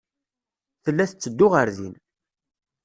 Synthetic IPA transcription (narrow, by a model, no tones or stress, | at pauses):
θəlːæθət͡sːəd̪ːʊʁəɾðḭn